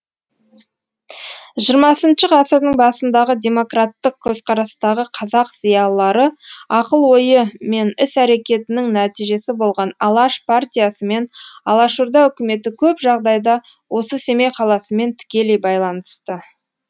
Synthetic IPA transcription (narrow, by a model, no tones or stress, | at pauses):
ʒiəɾmɑsənʃəqʰɑsəɾd̪əɴbɑsənd̪ɑʁəd̪ʲe̞mo̞krat̪ːəq̚kʲʰɵzqʰɑɾɑst̪ɑʁəqʰɑzɑqzijɑlˠːɑɾəɑqəlˠwo̞jəme̞nɪsæɾe̞kʲe̞t̪ɪnɪŋnæt̪ijʒe̞sɪbo̞lˠʁɑnɑlˠɑʃpʰart̪ʲijasəme̞nɑlˠɑʃuɾd̪ɑʏkʲɪme̞t̪ɪkʲʰɵpʒɑʁd̪ɑjd̪ɑ | wo̞səse̞mejqʰɑlˠɑsəme̞nt̪ʰɪ̥kʲe̞le̞jbɑjlˠɑnəst̪ə